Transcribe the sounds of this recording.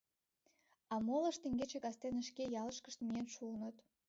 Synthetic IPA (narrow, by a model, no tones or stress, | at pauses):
ɑmolə̆ʃt̪ĕŋɡet͡ɕekɑst̪enə̆ʃkejɑlə̆ʃkəʃt̪mienʃuənə̆t̪